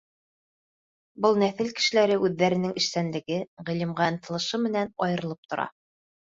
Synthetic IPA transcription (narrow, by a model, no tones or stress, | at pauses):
bɤlˠnæθɘlkɘ̥̆ʃɘ̆læɾɘʔʉðːæɾɘ̆nɘŋɘ̆ʃsænlɘ̆ɡɘʁĭlĭmʁænt̪ɤ̆lˠɤ̆ʃɤmɘ̆nænɒjɤ̆ɾɤ̆lˠɤp̚t̪ŏɾɑ̰